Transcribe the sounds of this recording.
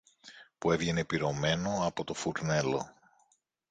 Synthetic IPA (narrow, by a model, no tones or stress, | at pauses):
pue̞vʝene̞piɾo̞me̞no̞ɐpo̞t̪o̞fuɾne̞lo̞̰